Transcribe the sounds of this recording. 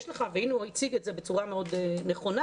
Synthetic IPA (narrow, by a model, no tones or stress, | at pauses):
ʃləχavinuɔjt͡siɡɛtzɛbət͡suʁameodnəχona